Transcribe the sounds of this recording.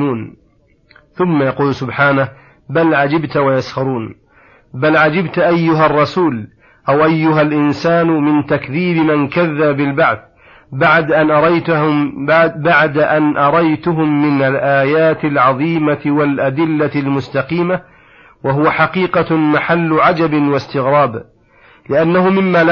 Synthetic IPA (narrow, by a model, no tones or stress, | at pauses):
uːn | θʊmːajɑquːlsʊbħaːnah | balʕad͡ʒɪbt̪wajashɑɾˤuːn | balʕad͡ʒɪbt̪ʔajːʊɦarˤːɑsuːl | ʔawʔajːʊɦalʔɪnsaːnʊmɪnt̪akðiːbɪmankaðːabbɪlbaʕθ | baʕd̪ʔanʔɑɾˤɑjt̪ | baʕd̪aʔanʔɑɾˤɑjt̪ʊɦʊmːɪnalʔaːjaːt̪ɪlʕɑðˤiːmaɪwalʔad̪ɪlːalmʊst̪ɑqiːma | waɦʊwaħaqiːqɑmaħalːʊʕad͡ʒabɪwast̪ɪɣɾɑːb | lɪʔanːahʊmɪmːaː